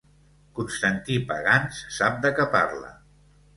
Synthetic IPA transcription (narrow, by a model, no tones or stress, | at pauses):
kunst̪ənt̪ipə̰ɣansːap̚d̪əkəpa̰ɾlə̰